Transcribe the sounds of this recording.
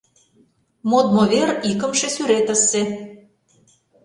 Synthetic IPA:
mod̪̚moβerikə̆mʃesyɾet̪ə̆sːe

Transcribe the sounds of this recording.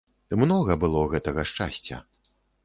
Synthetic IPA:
mnɔɣɐbɨlˠɔɣɛt̪ɐɣɐʂt͡ʂa̰sʲt͡sʲɐ̰

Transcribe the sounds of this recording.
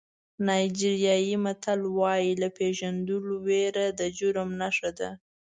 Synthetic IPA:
nɑjd͡ʒiɾijɑjimat̪alwɑjilapeʒand̪əloweɾad̪əd͡ʒʊɾmnaʂad̪a

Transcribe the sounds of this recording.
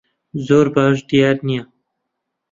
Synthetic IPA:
zoːɾbaːʒd̪ijaːɾnija

